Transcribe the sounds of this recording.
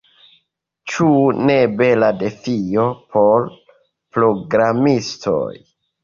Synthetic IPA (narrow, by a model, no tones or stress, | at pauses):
t͡ʃune̞be̞lade̞fijo̞pʰo̞l | pɾo̞ɡɾamistʰo̞̰j